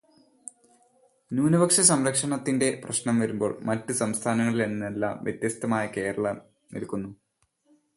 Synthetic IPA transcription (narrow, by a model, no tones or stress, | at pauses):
nuːnubɐkʂɐs̬ɐmɾɐkʂɐɳɐt̪ːinde̞prɐɕnɐmʋɐɾumbo̞ːɭmɐtːusɐmst̪ʰaːnɐŋːɐɭileɳːnelːa̰ːmʋjet̪jɐst̪ɐmaːjɐke̞ːɾɐɭɐm | nḭlkunːu